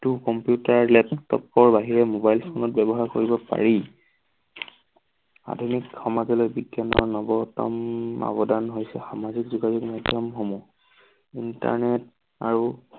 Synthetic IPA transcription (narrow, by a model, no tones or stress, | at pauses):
tukɔmpjutaɹlɛptɔ̰pːɔɹbaɦiɹɛmobajlfʰonɔt̚bɛbɔɦaɹkoɹibɔpa̰ɹi | a̰dʱunikxɔmazɔlojbidjɔnɔ̰nɔbɔtɔ̰ma̰bɔdanɦojsɛxamazikzuɡazukmɔjdʱjɔmɦomɔ | inta̰ɹnɛt | a̰ɹu